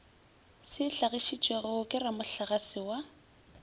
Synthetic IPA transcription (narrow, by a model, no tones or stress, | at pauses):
sɪɬaɣiʃit͡ʃʼweɣʊkʼɪramʊɬaɣasɪwa